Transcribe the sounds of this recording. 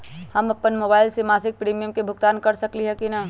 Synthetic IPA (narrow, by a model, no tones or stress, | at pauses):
həmɐpːənmoːbaːɪlsemaːsɪk̚pɾiːmijəmkebʱʊɡt̪aːnkəɾsəkliɦɛkina